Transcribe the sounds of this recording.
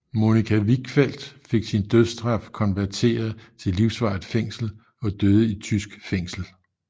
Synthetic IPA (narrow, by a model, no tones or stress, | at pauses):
mo̝nikʰæʋiɡ̥fel̰d̥fe̝ɡ̥sind̥øðˠsd̥ʁɑ̈fkʰɒ̽nʋæɐt͡sʰe̝̰ːɐð̩ˠt͡sʰe̝lːiʊsʋɑ̈ð̩ˠfeŋ̰sl̩ | ɒ̽d̥øð̞ˠəit͡sʰysɡ̥feŋ̰sl̩